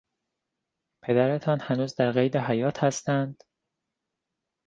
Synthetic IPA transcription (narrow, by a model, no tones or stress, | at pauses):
pʰe̞d̪æɾe̞t̪ʰɒːnhænuːzd̪æɾɣejd̪eɦæjɒːt̪ʰhæst̪ænd̪̥